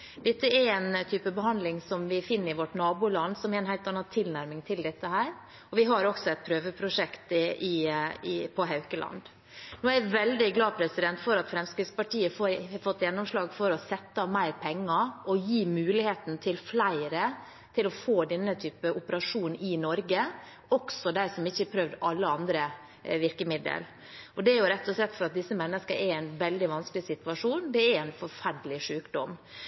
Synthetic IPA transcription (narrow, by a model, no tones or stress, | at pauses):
d̪̥ɛt̪ːəɛɾɛnt̪ʰyːpəbəɦɑnd̪lɪŋsɔmʋɪfɪnːəɾɪʋɔʈnɑːbuːlɑnd̪sɔmɛɾɛnɦæɪlt̪ɑnːɑt̪ʰɪlnæɾmɪŋt̪ʰɪld̪ɛt̪ːəɦæːɾ | ɔʋɪɦɑɾɔksɔɛt̪̚pʰɾøːʋəpʰɾʊʂɛkt̪ʔɪɪpʰɔɦɑʉkəlʔɑ̰nd̪ | noːæɾʋɛld̪ɪɡlɑːpʰɾɛsɪd̪ɛnt̪fɔɾɑt̪fɾɛmskɾɪd̪spɑʈʰiːəfoɾfɔt̪ːjɛnːɔmʂlɑːɡfɔɾɔsɛt̪ːɑmæɪɾpʰɛŋːɑʔɔjiːmʉːlɪheːt̪n̩t̪ʰɪlflæɪɾə | t̪ʰɪlɔfoːd̪ɛnːət̪ʰyːpəʔʊpəɾɑʂuːnɪnɔɾɡə | ɔksɔd̪æɪsɔmɪçːəɛɾpʰɾøʋd̪ɑlːəɑnd̪ɾə | ʋɪɾkəmɪd̪ə̰l | ʔɔd̪ɛæɾjʊɾɛt̪ːɔslɛt̪ːfɔɾɑt̪̚d̪ɪsːəmɛnːəskəɾʔɛɾæɪnʋɛld̪ɪʋɑnskəlɪsɪt̪ʉʋɑʂuːnd̪ɛæɾæɪnfɔɾfæɖəlɪʂʉːkd̪ɔm